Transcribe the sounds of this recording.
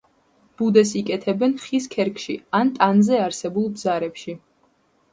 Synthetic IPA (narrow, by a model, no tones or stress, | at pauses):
b̥ud̪ɛsikʼɛt̪ʰɛbɛnχiskʰɛɾkʼʃiant̪ʼanzɛaɾsɛbulˠbzaɾɛpʃi